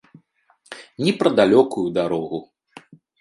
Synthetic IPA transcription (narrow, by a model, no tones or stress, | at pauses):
nʲipɾɐd̪alʲɔkujud̪aɾɔɣu